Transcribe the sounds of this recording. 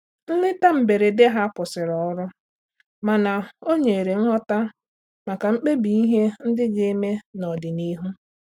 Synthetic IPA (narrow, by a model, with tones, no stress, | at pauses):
n̩˦lɪ˦ta˦m̩˨be˨ɾe˨de˦ɦa˦pʊ˨sɪ˨ɾɔ˨˦ɾʊ˦ | ma˨na˨o˦ɲe˨ɾe˨ŋ̩˦ɦɔ˦ta˦ | ma˨ka˨ŋ͡m̩˦k͡pe˦bi˨i˦ɦe˦n̩˦dɪ˦d͡ʒe˦e˦me˦nɔ˨dɪ˨ni˦ɦu˦